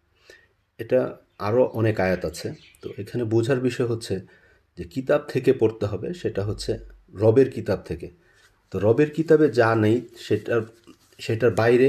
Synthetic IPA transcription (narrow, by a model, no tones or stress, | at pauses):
eʈa | a̰ɾoʔɔnekajat̪at͡ɕʰe | t̪o̰ʔekʰanebud͡ʑʱaɾbiʃɔeɦotːɕʰe | d͡ʑekit̪ab̚t̪ʰekepoɾt̪eɦɔbeʃeʈaɦotːɕʰeɾɔbeɾkit̪ab̚t̪ʰeke | t̪oɾɔbeɾkit̪abed͡ʑanejʃea | ʃeʈaɾbajɾe